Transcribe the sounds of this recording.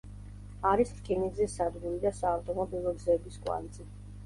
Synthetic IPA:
aɾistkʰiniɡzɛsad̪ɡuɾid̪asaːft̪ʼɔmɔbilˠɔɡzɛbiskʼwa̰nd̪zɛ

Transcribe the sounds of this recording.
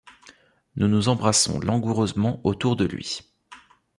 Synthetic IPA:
nunuzɑ̃bʁasɔ̰̃lɑ̃ɡuʁøzmɑ̃ot̪uʁd̪əlɥḭ

